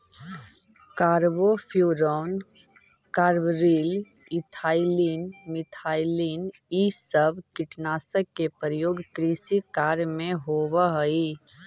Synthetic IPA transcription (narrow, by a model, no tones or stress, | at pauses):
kaːɾbopʰjuːɾɔːn | kaːɾbɾiːl | ɪt̪ʰaːɪliːnmɪt̪ʰaːiliːnisəbʱkɪʈnaːsəkːepəɾəjoːɡkɾiːsikaːɾmẽɦoːwəɦəi